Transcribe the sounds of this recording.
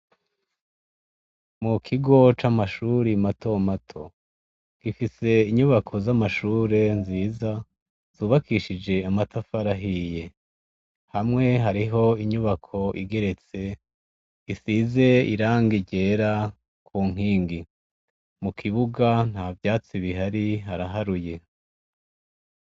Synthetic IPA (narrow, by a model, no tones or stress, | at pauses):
mukʰiɡo̞t͡ʃamaʃuːɾimatʰo̞matʰo̞ | ɡ̥ifise̞iɲuβakʰo̞zamaʃuːɾe̞nziːza | z̥uːβakʰiʃid͡ʒe̞amatʰafaɾaɦije̞ | hamŋe̞ɦaɾiɦo̞iɲuβakʰo̞ʔḭɡe̞ɾe̞t͡se̞ | isize̞ḭɾaːŋɡiɟe̞ːɾa | kʰuːŋ̥iːŋɡi | mukʰiβuɡan̥haːvjaːt͡siβiɦaɾiɦaɾaɦaɾuje̞